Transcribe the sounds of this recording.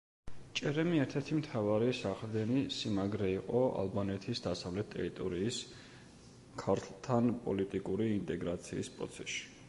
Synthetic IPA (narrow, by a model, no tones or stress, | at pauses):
t͡ʃʼɛɾɛmiɛɾt̪ʰɛɾt̪ʰimt̪ʰavaɾisaχld̪ɛnisimaɡɾɛiqʼɔa̰lˠbanɛt̪ʰisd̪asavlɛt̪ʰt̪ʼːɛɾit̪ʼɔɾiːs | kʰaɾt̪ʰlˠt̪ʰanpʼɔlit̪ʼikʼuɾiːnt̪ʼɛɡɾat̪sʰiːspʼɾɔ̰t̪sʰɛsʃi̥